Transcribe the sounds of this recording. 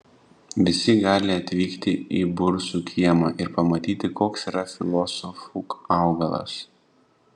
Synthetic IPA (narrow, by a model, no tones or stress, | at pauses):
ʋʲɪsʲɪɡɑːlʲɪɐt̪ʲʋʲiːkt̪ʲɪḭːbʊɾsuːkʲʰiɛmɑːʔɪɾpɐmɐt̪ʲiːt̪ʲɪkoːksiːɾɐfʲɪlˠɔsɔfukɑˑʊɡɐlˠɐ̰s